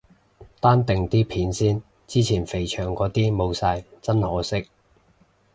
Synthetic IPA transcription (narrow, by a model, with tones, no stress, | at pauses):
t̪aː˥nt̪ɪ˨ŋt̪iː˥pʰiː˨˥nsiː˥n | t͡siː˥t͡sʰiː˨˩nfe˨˩jt͡ʃʰœː˨˩ŋkɔː˨˥t̪iː˥mo˨˧wsaː˧jt͡sɐ˥nhɔː˨˥sɪ˥k̚